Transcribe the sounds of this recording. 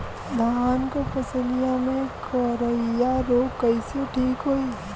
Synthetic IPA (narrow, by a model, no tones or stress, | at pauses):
d̪ʱaːnkopɐsəlijamẽkɔɾəijaɾoːkːəɪseʈʰiːkɦoi